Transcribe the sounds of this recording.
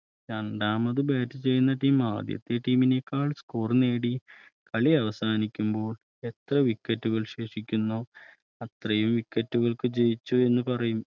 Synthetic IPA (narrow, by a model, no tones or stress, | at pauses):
ɲaːnɖaːmɐðɨbeːtːɨt͡ɕe̞jːunːɐʈiːma̰ːd̪jɐ̰t̪ːe̞ʈiːminekːaːɭskuːrne̞ːɽi | kɐɭiɐʋɐsaːnikʲːumbo̞ːɭ | e̞t̪rɐʋikːɐtːuɣɐɭɕeːʂikʲːunːo | ɐt̪rɐjumʋikːɐtːuɣɐɭkɨd͡ʑejit͡ɕːue̞nːupɐrɐjum